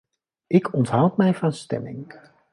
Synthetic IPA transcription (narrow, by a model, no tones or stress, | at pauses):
ʔɪkʰɔntɦʌwtmɛjvɑnstɛ̰mɪ̰ŋ